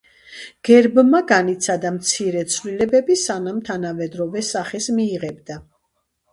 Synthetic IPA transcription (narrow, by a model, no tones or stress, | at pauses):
ɡ̥ɛɾbmaɡanit̪sʰad̪amt̪sʰiɾɛt̪sʰvlilɛbɛbisanamt̪ʰanavɛd̪ɾɔvɛsaχɛsmiːʁɛbd̪a